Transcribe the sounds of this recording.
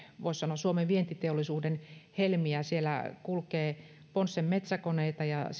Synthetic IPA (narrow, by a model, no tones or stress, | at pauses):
ʋoissɑnoɑssuomeʋʋient̪it̪eolːˑisuːdenhelmiæsielæ̰kulkeː | ponsːemmet̪sækoneit̪ɑjɑ̰